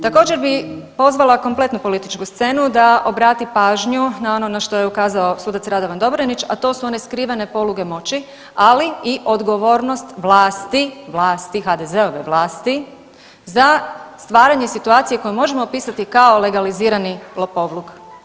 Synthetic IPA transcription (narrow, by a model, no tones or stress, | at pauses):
t̪ako̞ːd͡ʒe̞ɾbipo̞zʋalˠako̞mple̞t̪nupo̞lit̪it͡ʃkust̪se̞nud̪aobɾaːt̪ipaːʒɲunao̞no̞naʃt̪o̞jeukaːzao̞suːd̪at̪sɾad̪o̞ʋand̪o̞bɾenit͡ʃa̰t̪o̞ːsuo̞ne̞skɾiːʋane̞po̞luɡe̞mo̞t͡ɕi | aliiʔo̞d̪ɡo̞ʋo̞ːɾno̞st̪ʋlˠaːst̪iʋlˠaːst̪ixad̪eze̞oʋeʋlˠaːst̪i | zast̪ʋaːɾaɲesit̪uaːt̪sije̞ko̞jumo̞ʒe̞moːpiːsat̪ikao̞le̞ɡaliziːɾanilopo̞ʋlˠuɡ